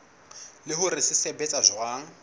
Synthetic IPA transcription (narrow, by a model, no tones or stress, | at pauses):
lɪɦʊɾɪsɪsɛbɛt͡sʼazwaːŋ̩